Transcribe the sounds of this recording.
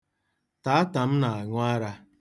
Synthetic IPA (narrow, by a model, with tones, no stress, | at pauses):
ta˨a˦ta˨m̩˦na˨a˨ŋʊ˦a˦ɾa˦